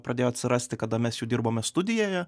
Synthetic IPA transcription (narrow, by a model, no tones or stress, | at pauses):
pɾɐd̪ʲeːjoːɐt̪ʲsʲɪɾɑsʲt̪ʲɪkɐd̪ɐmʲɛsjuːdʲɪɾboːmʲɛst̪ʊd̪ʲɪjoːjɛ